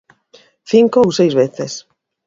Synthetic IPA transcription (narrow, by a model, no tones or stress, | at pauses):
θiŋkowsejzβeθes